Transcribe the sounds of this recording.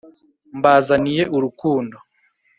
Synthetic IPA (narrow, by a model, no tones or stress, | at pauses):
mbaːzanije̞ʔuɾukuːndo